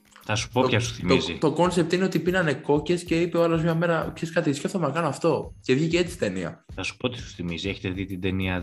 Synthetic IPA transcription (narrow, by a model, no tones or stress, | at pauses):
θɐsu̥poçɐsu̥θimizit̪o̞ko̞nsep̚t̪ineot̪ipinɐne̞ko̞ce̞sceipeoɐlozmɲɐme̞ɾɐpçeskɐt̪isceft̪omenɐkɐnoɐft̪o̞ce̞vʝiceet͡si̥t̪eniɐ̰θɐsu̥pot̪i̥su̥θimizieçet̪eðit̪ind̪eniɐ